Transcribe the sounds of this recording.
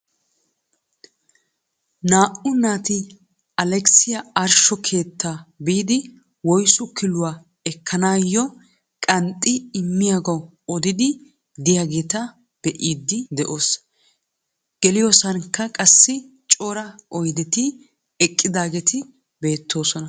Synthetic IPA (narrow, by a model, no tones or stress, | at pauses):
naːʔʊnaːt̪ɪ | ɐlɛksɪjɐɐɾʃɔkʰe̞ːt̪ːabiːd̪ɪ | wɔjsʊkʰɪlʊwa | ɛkʰːɐnaːjːɔ | kʼɐnt̪ʼːɪɪmːɪjaɡɐw | ɔd̪ɪd̪ɪ | d̪ɪjaɡeːt̪ɐ | b̥ɛʔiːd̪ːɪd̪ɛʔo̞ːs | ɡ̥ɛlɪjoːsɐnkːɐkʼɐsːɪ | t͡ʃʼoːɾɐʔɔjd̪ɛt̪ɪ | ɛkʼːɪd̪aːɡɛt̪ɪ | be̞ːt̪ːo̞ːsɔnɐ